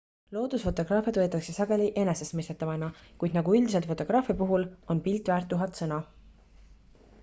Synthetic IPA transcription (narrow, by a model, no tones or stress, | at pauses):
lo̞ːd̪̥usfo̞t̪o̞ɡ̥rɑːfjɑd̪vɤːt̪ːˑɑkse̞sɑɡ̥e̞liʔe̞nese̞smest̪et̪ːˑɑvɑjnɑkujd̪nɑɡuyld̪is̬elt̪fo̞t̪ːˑo̞ɡ̥ɾɑːfjɑpuɦulo̞npilt̪ːˑvæːɾrt̪ːˑuɦɑt̪sɤnɑ